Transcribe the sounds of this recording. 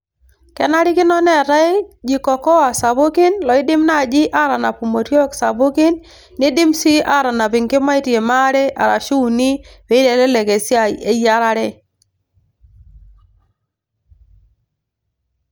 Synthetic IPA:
kɛ˨na˦ɾɪ˦kɪ˦nɔ˦nɛ˦˨ɾa˦e˦d͡ʒi˨kɔ˨kɔ˦wa˨sa˨bʊ˦kɪ˦nlɔ˨ɪ˦dɪ˦mna˦˨d͡ʒi˦ʔa˦ɾa˨na˨pu˨mo˨ɾjɔ˦ksa˨bʊ˦kɪ˦nː | ɪ˦dɪ˦msi˦ʔa˦ɾa˨na˨pɪ˨ŋkɪ˦ma˦i˦tje˨ma˦ɾɛ˦ʔa̰˨ɾa̰˨ʃu˦˨ni˦we˨˦i˦dɛ˨lɛ˦lɛ˨ke˨sja˦˨j̰e˦ja˦ɾa˦ɾɛ˦

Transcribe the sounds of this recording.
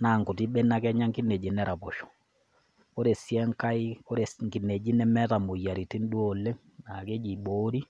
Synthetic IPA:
naː˨ŋkʊ˨ti˦ɓe˦na˦kɛ˦ɲa˦ŋki˦ne˨d͡ʒi˨nɛ˦ɾa˨pɔ˨ʃɔ̥˨ | ko˦ɾe˨sjɛ˦ŋka˦i˦ko˦ɾe˨ŋki˨ne˨d͡ʒi˦nɛ˦mɛ˦ta˨mo˨ja˨ɾi˨ti˦n˦du˦o˨lːe˦ | na˨ke˦d͡ʒi˨ɓo˦ɾi˦

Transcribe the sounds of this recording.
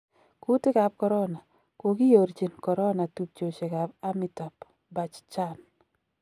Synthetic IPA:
ku˦tɪ˦ka˨b̚kɔ˨ɾɔ˦na˨ | ko˨ɡi˦jo˨ɾt͡ʃi˨nkɔ˨ɾɔ˦na˨tu˨p̚t͡ʃo˨t͡ʃe˨ka˨ba˦mi˨ta˨p | ba˨t͡ʃt͡ʃa˦n

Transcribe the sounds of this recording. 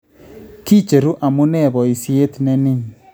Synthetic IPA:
ki˦t͡ʃe˨ɾu˦ʔa˨mu˦nɛ˦˨βɔ˨i˨si˦e˦tnɛ˦ni˦

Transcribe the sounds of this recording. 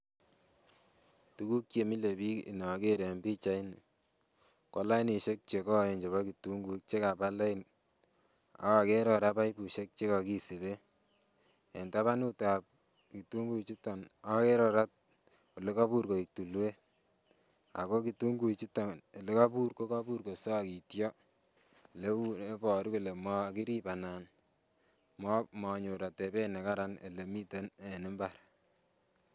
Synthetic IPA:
tu˦ku˦k̚t͡ʃe˨mi˦le˨bi˦i˨nɔ˨ke˦ɾe˨mbi˦t͡ʃa˦i˦n | kɔ˦la˦i˦ni˨ʃe˦k̚t͡ʃe˨kɔ˦˨e˨nd͡ʒe˨βa˦ki˨tu˦ŋɡu˨i˦k̚t͡ʃe˦ka˨pa˦la˦n | a̰˦wa˨ke˦ɾɔ˨ɾa˦pa˦jpu˨ʃe˦k̚t͡ʃe˦ka˨ki˦si˨βe˦ | e˨nta˦βa˦nu˦ta˨p̚ | ki˨tu˦ŋɡu˦i˨t͡ʃi˦ta˨na˦ke˦ɾɔ˨ɾa˦t̚ | o˨le˦ka˦pu˦ɾko˨i˨k̚tu˨lwe˦ | a̰˨ko˦ki˨tu˦ŋɡu˦˨t͡ʃi˦tɔ˨n˨le˦ka˦pu˦ɾko˦ka˦pu˦ɾko˨sɔ˦ki˨tjɔ˦ | le˦wu˦e˦pɔ˨ɾku˨le˨mɔ˦ki˦ɾi˦pa˨na˨n | mɔ˦mɔ˨ɲo˨ɾa˨te˨be˦ne˨ka˦ɾa˦nḛ˨le˨mi˦te˦ne˨nɪ˦mbaɾ

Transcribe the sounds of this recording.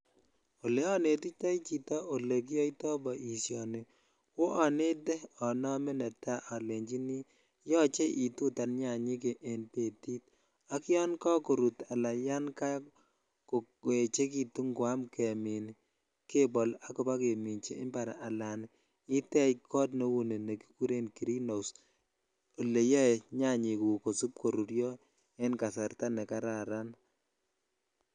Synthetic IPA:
o˨le˦ɔ˦ne˨ti˦tɔ˦i˦t͡ʃi˨tɔ˦ʔo˨le˨k̬i˦jɔ˦i˦tɔ˦bɔ˨ʔi˨sjɔ˨nɪ˨ | wo˦ʔa˨ne˦dɛ˦ɔ˨nɔ˦mɛ˦nɛ˨ta˦ʔa˨le˨ɲd͡ʒi˦ni˦ | jɔ˦t͡ʃe˦ʔi˨tu˦ta˨nɲa˨ɲi˦k̬e˨ʔːnte˦˨ti˦t̚ | a˦kɪ˦ɔ˦nkɔ˦ko˨ɾu˨ta˨la˨ja˦nka˦ | ko˨ | e˨t͡ʃe˦k̬i˨tu˦ŋɡwa˦mkɛ˨mi˨n | ke˦bɔ˨la˦kɔ˦ba˦ke˨mi˨nt͡ʃe˨ʔɪ˦mba˨ɾa̰˨ʔa˨la˨n | ɪ˦tɛ˦jkʰɔ˦tnɔ˦wu˦ne˨ne˨ki̥˦ku˦ɾe˦nki˨ɾi˦no˨s | o˨le˨jɛ˦˨ɲa˦˨ɲi˨ku˨ko˨su˦p̚ko˨ɾu˨ɾjɔ˦ | e˦nka˨sa˨ɾta˦nɛ˨ka˦ɾa˨ɾa˦n

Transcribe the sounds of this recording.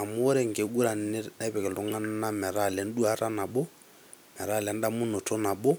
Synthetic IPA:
a˨mo˦ɾɛ˦˨ŋ˨ɡe˨ɡu˦ɾa˨˦na˦pɛ˨kɛ˨lɔ˦ŋa˦n˦na˦mɛ˨ɾa˦˨lɛ˨n˦du˦a˦ɾa˦na˨ɓɔ˦ | mɛ˨ɾa˦˨lɛ˨˦nda˦mu˦no˨tʰɔ˦na˨bɔ˦

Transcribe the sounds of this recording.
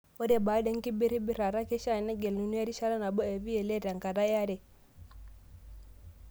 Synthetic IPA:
o˦de˦baː˨˦de˦ŋ˦ki˦bi˦ɾi˦bi˦ɾa˨ɾa˦ki˦ʃa˦˨nɛ˦ɡe˨lu˨nu˦e˦ɾi˦ʃa˦ɾa˦na˨bo˦e˨vi˦e˨le˦ta˨ŋka˨da˦ja˦ɾɛ˨

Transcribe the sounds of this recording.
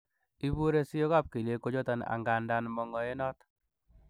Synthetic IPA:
i˦βu˦ɾe˦si˦jo˦ɣa˦˨p̚ki˨le˦ko˦d͡ʒo˦ta˦na̰˨ŋɡa˨nda˦nmɔ˨ŋɔ˨e˦nɔ˦t

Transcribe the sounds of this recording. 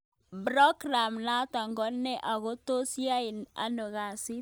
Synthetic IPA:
bɾɔ˦ɡɾa˨mna˦ta˨ŋɡɔ˦nːɛ˦ʔa˨ɣo˦to˦sja˦ɪ˨na̰˨no˨ɣa˨sɪ˦

